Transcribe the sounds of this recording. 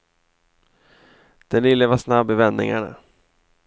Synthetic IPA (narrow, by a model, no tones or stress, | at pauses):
d̪̥ɛnɪlːəvaʂnabːɪvɛnːɪ̰ŋa̰ɳa̰